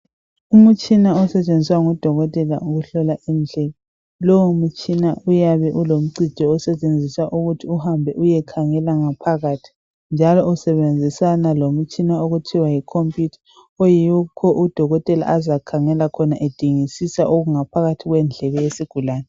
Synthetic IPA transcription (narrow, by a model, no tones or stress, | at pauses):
umut͡ʃʼinaɔsɛt͡ʃʼend͡zʱiswaŋɔd̥ʱɔɣɔtʼɛla̰ʔuɣuɬɔlaʔind͡ɮʱɛlɔ | loumut͡ʃʼinaujaβɛʔulom̩ǀʱi̥d̥ʱɔɔsɛt͡ʃʼend͡zʱisaʔuɣutʰiuhambʱɛʔujɛkʰaŋɛlaŋapʰaɣatʰi̥ | nd͡ʒʱalɔusɛβend͡zʱisanalom̩t͡ʃʼinaoɣutʰiwajikʰompʼitʰḁ | ojikʰɔʔud̥ʱɔɣɔtʼɛla̰ʔazakʰaŋɛlakʰɔnaʔed̥ʱiŋisisaʔoɣuŋapʰaɣatʰiɣwɛnd͡ɮʱɛlɛjesiɡ̥ʱulaːnɛ